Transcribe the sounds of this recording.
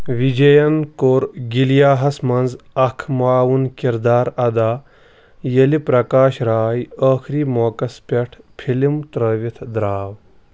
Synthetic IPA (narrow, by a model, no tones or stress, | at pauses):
ʋid͡ʒɐjɐnkoːɾɡiljaːɦɐsmɐnd͡zɐkʰmaːwunkiɾd̪aːɾɐd̪aː | jɐlipɾɐkaːʃɾaːjəːxʰɾiːmoːkɐspʲeʈʰpʰilimt̪ɾəːʋit̪ʰd̪ɾaːw